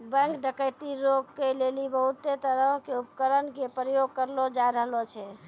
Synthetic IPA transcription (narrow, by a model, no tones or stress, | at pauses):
bə̃ŋkɖəkəjt̪iɾoɡkelelibəɦut̪ːet̪əɾəõkeupkəɾənkepɾəjoɡ̚kəɾlod͡ʒajɾəɦlot͡ʃʰɛ